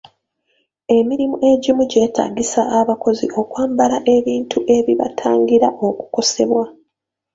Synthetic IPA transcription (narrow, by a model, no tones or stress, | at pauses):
e̞miɾimuʔe̞ɟimuɟe̞ːta̰ːɡisaʔːβako̞zḭʔo̞kwaːmbalaʔe̞βiːntʰuʔe̞βiβa̰tʰaːŋɡiɾaʔo̞ku̥ko̞se̞βwa